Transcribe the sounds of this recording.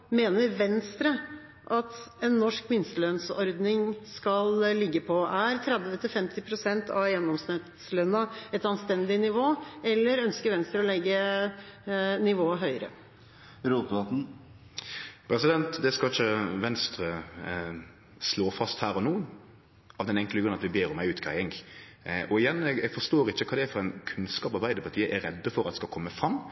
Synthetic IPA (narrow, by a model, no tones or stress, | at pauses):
meːnəɾʋɛnst̪ɾə | ʔɑt̪ɛnːɔʂkʋɪnst̪əlœnsɔɾd̪nɪŋskɑllɪɡːəpʰɔʔæɾt̪ʰɾɛd̪ʋət̪ʰɪlfɛmt̪ɪpʰɾʊsɛnt̪ʰɑʋjɛnːɔmsnɪt̪slœnɑɛt̪ɑnst̪ɛnd̪ɪnɪʋoːɛlːəɾœnskəɾʋɛnst̪ɾəɔlɛɡːə | nɪʋoːəɦœʏɾə̰ | ɾuːt̪bɑt̪n̩ | pʰɾɛsɪd̪ɛnt̪d̪ɛskɑlɪçːəʋɛnst̪ɾə | sloːfɑst̪hæːɾɔnuːən | ɑʋd̪ɛnɛŋkləɡɾʉnːɑt̪ʋɪbeːɾɔmæɪʉːt̪kʰæɪɪŋɡ | ʔɔɪjɛnːɛɡɛɡfɔʂt̪oːɾɪçːəkʰɑːd̪ɛæɾfɔɾæɪnkʰʉnskɑːpɑɾbæɪd̪əpʰɑt̪ʰiːəʔæɾɛd̪ːəfɔɾɑt̪ɛ̥skɑkʰɔmːəfɾɑmː